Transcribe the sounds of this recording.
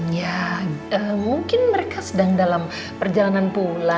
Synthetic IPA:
jaəmuŋkɪnməɾekasədaŋdalam | pərd͡ʒalananpula

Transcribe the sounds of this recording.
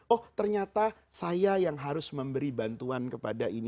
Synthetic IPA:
ɔht̪ərɲat̪a | sajajaŋɦaɾʊsməmbəɾibant̪uankəpadaʔin

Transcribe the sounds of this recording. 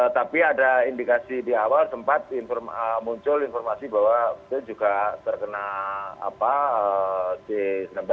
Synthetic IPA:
t̪apiadaindikasidiawalsəmpat̪̚infɔrəmuɲt͡ʃʊlinfɔrmasibawabət̪uld͡ʒuɡat̪ərkənaa̰paəsesənəmba

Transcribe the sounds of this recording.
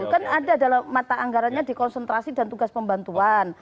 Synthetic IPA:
kanadadalamːat̪aʔaŋɡaɾanɲadikɔnsɛnt̪ɾasidant̪uɡaspəmbant̪uan

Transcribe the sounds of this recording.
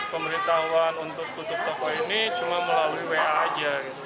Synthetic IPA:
pəməɾit̪aɦuanunt̪ʊk̚t̪ut̪ʊp̚t̪ɔkɔinit͡ʃumaməlaluiweaːd͡ʒaɡit̪u

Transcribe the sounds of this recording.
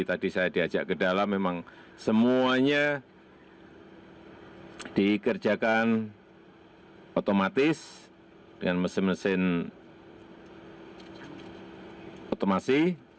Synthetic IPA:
t̪adisajadiḁd͡ʒaʔkədalamːemaŋ | səmuaɲa | d̥ikərd͡ʒakan | ot̪omat̪ɪs | d̥əŋanməsɪnməsɪn | ot̪omasɪ

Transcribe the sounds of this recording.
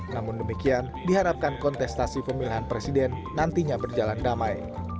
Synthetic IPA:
namʊndəmikian | diɦaɾap̚kankɔnt̪ɛst̪asipəmiliɦanpɾesidɛnːant̪iɲabərd͡ʒalandamaj

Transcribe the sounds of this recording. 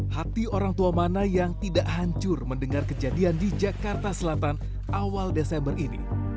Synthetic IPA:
hat̪ioɾaŋt̪uamanajaŋt̪idaʔhaɲt͡ʃʊrməndəŋarkəd͡ʒadiandid͡ʒakart̪asəlat̪an | ʔawaldesɛmbərinḭ

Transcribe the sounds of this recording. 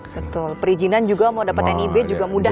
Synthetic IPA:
bət̪ʊlpəɾid͡ʒinand͡ʒuɡamadapat̪anibɛd͡ʒuɡamuda

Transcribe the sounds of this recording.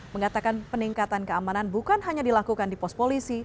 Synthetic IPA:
məŋat̪akanpəniŋkat̪ankəamananbukanɦaɲadilakukandipɔst̪polisi

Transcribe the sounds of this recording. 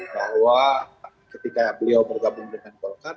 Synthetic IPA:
bahwa | kət̪ikabəliawbərɡabuŋdəŋankɔlkar

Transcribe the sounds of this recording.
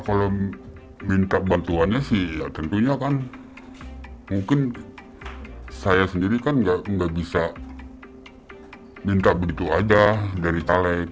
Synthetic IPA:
kalo | mint̪abant̪uanɲasɪhjat̪ənt̪uɲakan | muŋkɪn | sajasəndiɾikanɡaʔŋɡaʔbisa | mint̪abəɡit̪uad͡ʒadaɾit̪alɛk̚

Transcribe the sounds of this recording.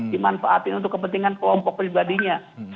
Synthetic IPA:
dimanfaat̪ɪnunt̪ʊkːəpənt̪iŋankəlɔmpɔk̚pɾibadiɲa

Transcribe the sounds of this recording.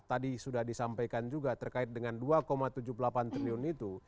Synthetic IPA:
t̪adisudahdisampajkand͡ʒuɡat̪ərkaɪt̪̚dəŋanduakomat̪ud͡ʒupəlapant̪ɾiliʊnit̪u

